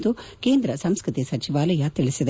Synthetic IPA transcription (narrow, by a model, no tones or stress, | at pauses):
t̪uke̞ːnd̪ɾɐsɐmskɾɪt̪isɐt͡ʃiʋaːlɐjɐt̪iɭisid̪